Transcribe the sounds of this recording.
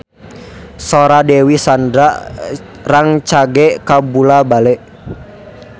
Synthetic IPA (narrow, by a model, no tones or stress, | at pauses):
sɔɾadɛwisandɾaʔ | raŋt͡ʃaɡɛʔkabulabalɛʔ